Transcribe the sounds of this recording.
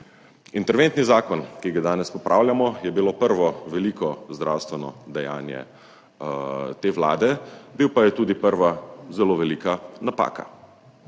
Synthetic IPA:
int̪ɛɾʋent̪nizaːkɔnkiɡad̪aːnɛspɔpɾʔaːwlʲjamɔjɛbilopəɾʋɔʋɛliːkɔzd̪ɾʔawst̪ʋɛnɔ̰d̪ɛja̰ːnjɛ̰ | t̪eːʋla̰ːd̪ɛbiwpajɛt̪uːd̪ipəɾʋazɛloːʋɛliːkanapa̰ːka̰

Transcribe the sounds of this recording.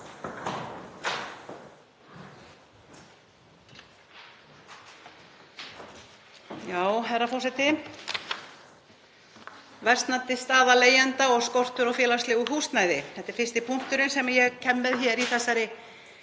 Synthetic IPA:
jaːwɦɛɾafɔrsɛt̪ɪ | vɛr̥st̪nat̪ɪst̪aːðaleːjant̪aɔɣskɔwr̥t̪ʏɾawfjɛːlast̪lɪɣʏɦuːst̪najðɪθɛht̪ɪɾ̥fɪr̥t̪ɪpʰuŋ̥t̪ʏɾʏnsɛmaɾjɛɣcʰɛmːɛðçɛɾiθɛsːaɾɪ

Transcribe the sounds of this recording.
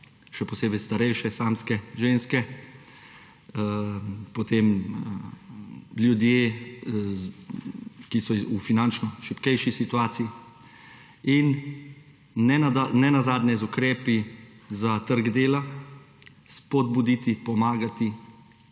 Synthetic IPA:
ʃɛpɔseːbɛjst̪aɾɛjʃɛsaːmskɛʒenskɛ | pɔt̪em | ljud̪jeː | kisɔufinant͡ʃnɔʃipkɛjʃisit̪uaːt̪sii | in | ɛnɛnazaːd̪nɛzukɾɛːpizat̪əɾɡd̪eːla | spɔd̪bud̪it̪ipɔmaːɡat̪i

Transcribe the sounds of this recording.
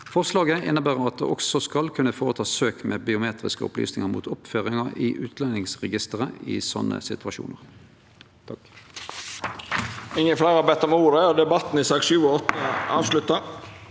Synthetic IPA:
fɔʁslɑːɡəʔɪnːəbæːʁəɑt̪̚d̪ḛːʔɔksɔskɑlkʰʉnəfoːʁət̪ʰɑːsøːkmeːbɪʊmeːt̪ʁɪskəʊ̰ply̰ːsnɪŋəmṵːt̪ʰɔpføːʁɪŋɑɪʔʉːt̪ʰlɛnːɪŋsʁɛɡɪst̪əʁəɪ̰sɔ̰nːə̰sɪt̪ʉɑʃṵːnəʁ | t̪ʰɑ | ɪŋəflæɪʁɑbɛt̪ːəɔmuːɾəd̪ɛbɑt̪ːn̩ɪsɑːkʃʉːɔɔt̪ːəʔɑːʋslʉt̪ːə

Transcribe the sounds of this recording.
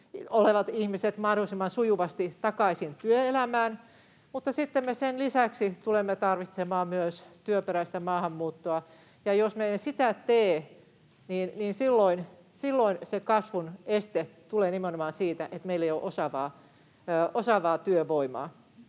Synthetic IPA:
oleʋɑt̪ihmiset̪mɑhdolˑisimːɑnsujuʋɑst̪it̪ɑkɑisint̪yøelæmæːn | mut̪ːɑsit̪ːemmesenlisæksit̪ulemːet̪ɑrʋit̪semɑːmyøst̪yøpeɾæist̪æmɑːhɑmːuːt̪ːoɑ | jɑjosmensit̪æt̪eː | niːnniːnsilːoin | silːoinsekɑsʋunest̪et̪uleːnimenomɑːnsiːt̪æʔet̪meilːejoʔosɑʋɑː | ʔosɑʋɑːt̪yøʋoimɑ̰ː

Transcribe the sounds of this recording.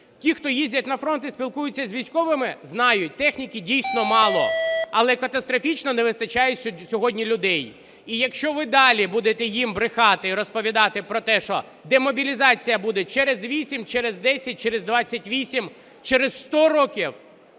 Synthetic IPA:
tʲixt̪ɔjizʲdʲɐtʲnɐfɾɔnt̪ɪsʲpʲilˠkujʊt͡sʲːɐzʲʋʲijsʲkɔʋɪmɪznɑjʊt̚ʲt̪ɛxnʲikʲidʲijsʲnɔmɑlˠɔɐlˠɛkɐt̪ɐst̪ɾɔfʲit͡ʃnɔnɛʋɪst̪ɐt͡ʃɑjesʲsʲɔɦɔdʲnʲilʲʊd̪ɛj | ijɐkʃt͡ʃɔʋɪd̪ɑlʲibud̪et̪ɛjimbɾɪxɑt̪ɪiɾɔspɔʋʲid̪ɑt̪ɪpɾɔt̪ɛʃɔ | d̪emɔbʲilʲizɑt͡sʲijɐbud̪ɛt͡ʃɛɾezʋʲisʲimt͡ʃɛɾɪzd̪ɛsʲɐt̚ʲt͡ʃɛɾɪzd̪ʋɑt͡sʲːɐtʲʋʲisʲim | t͡ʃɛɾez̥st̪ɔɾɔkʲiw

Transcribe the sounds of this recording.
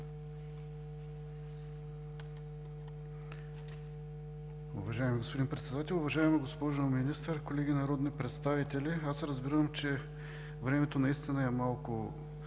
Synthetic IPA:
ʊ̰vɐʒaɛmiɡospod̪inpɾɛt̪sɛd̪at̪ɛlˠʊvɐʒaɛmiɡospɔʒominist̪əɾkolɛɡinɐɾɔd̪nipɾɛt̪st̪avit̪ɛliasɾɐzbiɾəmt͡ʃɛ | vɾɛmɛt̪onɐist̪inəɛmalˠkʊ

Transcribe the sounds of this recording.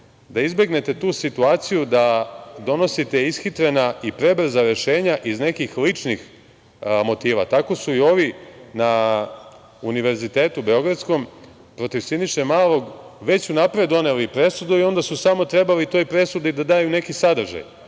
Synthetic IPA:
d̪aizbe̞ɡne̞t̪e̞t̪uːsit̪uaːt̪sijud̪ad̪o̞no̞sit̪e̞isxit̪ɾenaipɾe̞br̩zaɾe̞ʃe̞ːɲaʔizne̞kixlit͡ʂnix | mo̞t̪iːʋa̰t̪ako̞suio̞ʋina | uniʋe̞ɾzit̪e̞ːt̪ube̞o̞ɡɾat̪sko̞m | pɾo̞t̪iʋsiniʃemaːlo̞ɡʋe̞t͡ɕunapɾed̪o̞nelipɾe̞sud̪uio̞nd̪asusamo̞t̪ɾe̞balit̪o̞jpɾe̞sud̪iid̪ad̪aːjune̞kisad̪r̩ʒa̰j

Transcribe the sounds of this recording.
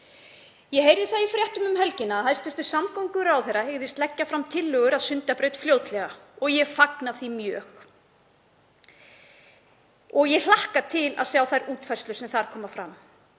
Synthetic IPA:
jɛɦejɾðɪθaðifɾjɛht̪ʏmʏmɦɛlcɪnaɦaðst̪ʏ̥st̪ʏ̥samkowŋkʏɾawθejɾːaheɣðɪst̪lɛcːafɾamt̪ʰɪlːœːɣʏɾaðsʏnt̪apɾœːɥt̪fljoːwt̪lɛɣaɔɣjɛfaknaθimjœːx | ɔɣjɛllahkat̪ʰɪla̰ðsjawθajɾuːt̪fajrst̪lʏ̥sɛmθaɾ̥kʰɔːmafɾa̰m

